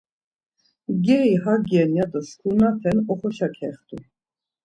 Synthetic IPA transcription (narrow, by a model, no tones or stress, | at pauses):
ɡɛiɦaɡjɛnjad̪əskʰunat̪ʰɛnɔχɔʃakʰɛχt̪ʰṵ